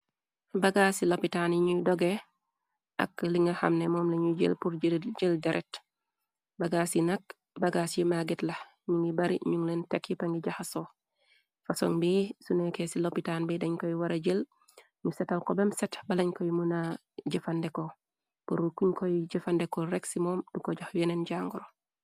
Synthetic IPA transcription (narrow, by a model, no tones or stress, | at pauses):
baɡasilopitanjiɲudɔɡe | ʔa̰kliŋɐha̰mnemɔːmleɲuɟə̰lpuɾɟilɟəldaɾʔet | baɡaːsinak̚ | baɡasijimaɡitlɐ | ɲuŋɡibaɾḭɲuŋlentekːipaŋɡiɟaxaso | faso̰ŋbijisunekesilopitanbejdaɲkojiwaɾaɟel | ɲusɛtalkobemsɛtbalaɲkojimuna | ɟifandeko | puɾukuɲkojɟəfandekoɾeksimɔːmdukoɟoxjenenɟaŋɡuɾo